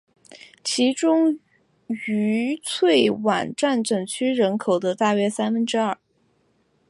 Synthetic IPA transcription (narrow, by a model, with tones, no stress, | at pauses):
t͡ɕʰi˧˥ʈ͡ʂʊ˥ŋ | y˧˥t͡sʰwe˥˩ɪwa̰˨˩nʈ͡ʂa˥˩nʈ͡ʂɤ˨˩ŋt͡ɕʰy˥ɻə˧˥nkʰo˨˩ʊd̪ə˦t̪a˥˧ɥɛ˥sa˥nfə˥nʈ͡ʂɻ̩˥ɐ˞˥˩